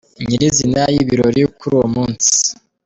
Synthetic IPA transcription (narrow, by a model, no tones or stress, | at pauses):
ɲiɾizinajiβiɾoɾikuɾuːwomuːnsi̥